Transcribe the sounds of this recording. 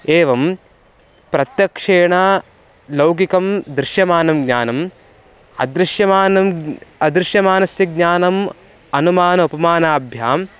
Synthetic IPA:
eːʋɐm | pɾɐt̪jɐkʂeːɳa | lɐwkikɐmd̪ɾɪʃjɐmaːnɐmɡɲaːnɐm | ɐ̰d̪ɾɪʃjɐmaːnɐmɐd̪ɾɪʃjɐmaːnɐsjɐɡ̚ɲaːnɐm | ɐnumaːnɐupɐmaːnaːbʱjaːm

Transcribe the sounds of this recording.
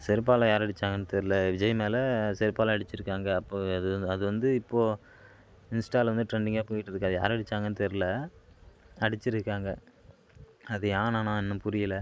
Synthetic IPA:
sɛɾɪp̬ːaːlɐ̃jaːɾɐɽɪt͡ʃːaːŋɡɐnːɯt̪ɛɾɪlɐʋɪd͡ʒɐjɐmeːlɐsɛɾɯpːaːlɐ̃ɐɽɪt͡ʃːɪɾɯkːaːŋɡɐːpːoːɐðɯɐðɯʋɐnd̪ɯɪpːoː | ɪnsʈaːlʋɐnd̪ɯʈɾɛɳɖɪŋɡaːpoːjɪʈːɪɾɯkːɐðɯja̰ːɾɐɽɪt͡ʃːaːŋɡɐnːɯt̪ɛɾɪlɐ | ɐɽɪt͡ʃːɪɾɯkːaːŋɡɐ | ɐðɯjaːnãːnãːɪnːɐ̃pʊɾɪjɪlɐ

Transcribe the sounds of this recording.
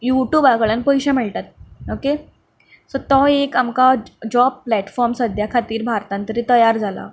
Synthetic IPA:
juʈjuːbakəɭjãnpəjɕɛ̃mɛɭʈ̪at̪̚oke | sɔt̪ɔekamkad͡ʑɔb̚plæʈfɔɾmsəd̪ʱjakʰat̪iːɾbʱaɾt̪ãnt̪əɾit̪əjaɾd͡zʱala̰

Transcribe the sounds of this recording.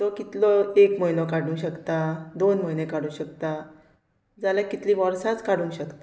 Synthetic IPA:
t̪okit̪lɔekməjnɔkaɽũŋɕəkt̪ad̪onməjnekaɽũːɕəkt̪a | d͡zalakit̪lĩːʋəɾsat͡skaɽũɕəkt̪ḁ

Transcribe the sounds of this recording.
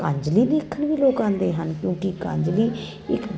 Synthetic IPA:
kãːɲd͡ʒliːd̪iːkʰːənʋiːloːkãːnd̪eːɦənkjõːkɪkãːɲd͡ʒliː | ɪ̰k

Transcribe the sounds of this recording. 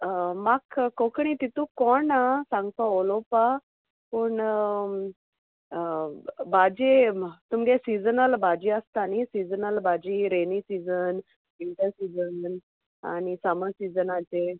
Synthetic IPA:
makkokɳ̃it̪it̪ũkɔnasãŋɡt̪aolopa | puːɳ | bad͡ʑet̪umɡesid͡zənəlbad͡ʑiəst̪anisid͡zənəlbad͡ʑiɾenisid͡zən | iɳʈəsid͡zənn | a̰nisaməsid͡zənat͡se

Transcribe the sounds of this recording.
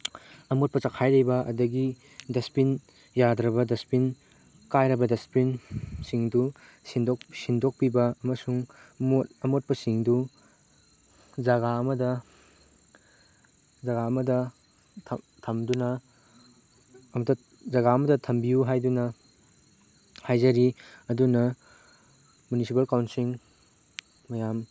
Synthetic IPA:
ɐmot̚pɐt͡ʃɐkʰajlɐjbɐʔɐ̰dɐɡi | dɐspin | jadɾɐbɐdɐspin | kajɾɐbɐdɐspinsiŋdu | sindoksindok̚pibɐɐmɐsuŋmotɐmot̚pɐsiŋdu | d͡ʒɐɡaɐmɐdɐ | d͡ʒɐɡaɐmɐdɐ | tʰ | tʰɐmdunɐ | ɐmɐtɐ | zɐɡaɐmɐdɐtʰɐmbijuɦajdunɐ | hajzɐɾiɐdunɐ | munisipɐlkawntsiŋ | mɐjam

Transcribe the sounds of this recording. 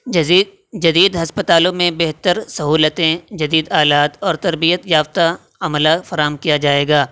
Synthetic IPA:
d͡ʒɐd̪iːd̪ɦɐspət̪aːlõmẽbeɦt̪əɾsɐɦuːlət̪ẽd͡ʒɐd̪iːd̪aːlaːt̪ɔːɾt̪ɐɾbijət̪jaːft̪a | ɐməlafɐɾaːɦəmkijad͡ʒaːeːɡaː

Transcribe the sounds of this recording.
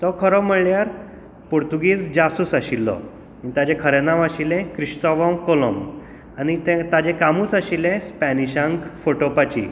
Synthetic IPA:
t̪ɔkʰəɾɔməɭjaɾ | poɾt̪uɡiːd͡zd͡ʑasusaɕilːɔ̰ | anit̪ad͡ʑẽkʰəɾenaʋaɕilɛ̃kɾiɕt̪ɔʋɔmkolɔm | anit̪ɛ̃t̪ad͡ʑekamuːt͡saɕilɛ̃spɛniɕãŋkfoʈopat͡ɕḭ

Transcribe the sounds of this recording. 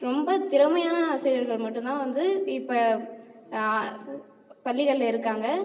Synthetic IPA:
ɾɔmbɐt̪ɪɾɐmɐjaːnɐaːsɐɾɐɾɣɐɭmɐʈːɯnt̪ãːʋɐnd̪ɯɪpːɐ | pɐɭːɪɣɐɭɪlɪɾɯkːaːŋɡɐ

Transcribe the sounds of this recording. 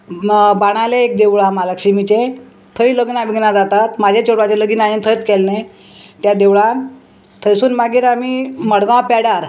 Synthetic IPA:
baɽ̃aleek̚d̪eʋɭamalakɕimit͡ɕẽ | t̪ʰəiləɡnaʋiɡnad͡zat̪at̪mad͡ʑʱet͡ɕoɽat͡ɕeləɡiːnajent̪ʰəjt͡skɛlne | t̪jad̪eʋɭan | t̪ʰəjsuːnmaɡiːɾamiməɽɡãpɛɽaɾ

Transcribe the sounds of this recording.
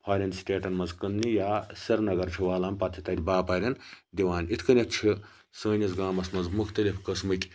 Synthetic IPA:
pʰaːɾʲɐnsʈʲeːʈɐnmɐzkɐnnijaːsɐɾnɐɡɐɾt͡ʃʰiʋaːlaːmpɐt̪ʰit̪ɐɾʲbaːpɐːɾʲɐn | d̪ʲiʋaːnʲit̪ʰkɐnʲɐt̪t͡ʃʰi | sɐːnʲɐsɡaːmɐsmɐzmuxt̪ɐlʲifʰkɐsmɨkʲ

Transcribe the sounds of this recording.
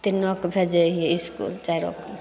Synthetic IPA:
t̪inɔkbʱed͡ʒeɦieiskṵlt͡ʃajɾɔ̰k

